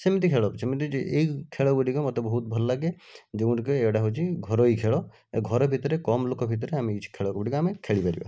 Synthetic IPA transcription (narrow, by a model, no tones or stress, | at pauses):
semit̪ikʰeɭɔpt͡ʃʰemit̪id͡ʒeikʰeɭɔbuɖikɔmɔt̪ebɔɦut̪̚bʱɔlːaɡed͡ʒeũʈikɔeʈaɦot͡ʃʰiɡʱɔɾoikʰeɭɔ | ɡʱɔɾɔbʱit̪ɔɾekɔmlokɔbʱit̪̬ɔɾeamiit͡ʃʰi̥kʰeɭɔkɔbɔɖikɔamekʰeɭipaɾḭba̰